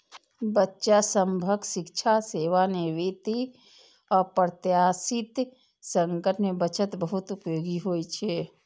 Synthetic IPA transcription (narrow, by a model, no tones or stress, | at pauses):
bətːʃasəmbʱəɡsɪkt͡ʃʰaseːʋaneʋet̪i | ɔːɾpɾət̪jasɪt̪ | sə̃ŋkəʈmebət͡ʃət̪bəɦʊt̪upjoːɡiɦoit͡ʃʰe